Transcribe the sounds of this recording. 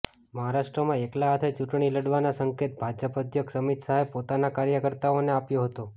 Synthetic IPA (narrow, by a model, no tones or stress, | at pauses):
məɦaɾaʃʈɾəmãeklaɦːt̪ʰet͡ʃuʈɳ̃iləɽʋanasəŋket̪̚bʱad͡ʒəpəd̪ʱjəksəmit̪saɦepot̪anakaɾjəkəɾt̪aoneapjoɦət̪o